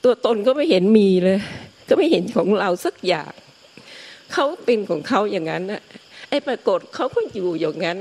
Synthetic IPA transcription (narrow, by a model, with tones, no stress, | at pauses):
t̪u˧ɐt̪o˧nkʰɔː˥˩ma˥˩jhe˩˦nmiː˧lɤː˧jkɔː˥˩ma˥˩jhe˩˦nkʰɔː˩˦ŋɾa˧wsa˨˩k̚ja̰ː˨˩k̚ | kʰa˦˥wpe˧nkʰɔː˩˦ŋkʰa˦˥wjaː˨˩ŋːa˦˥nʔa˨˩ʔa˧˩jpɾaː˧ko˨˩t̪̚kʰa˦˥wkʰu˧˥˩ənjuː˨˩jaː˨˩ŋːa˦˥n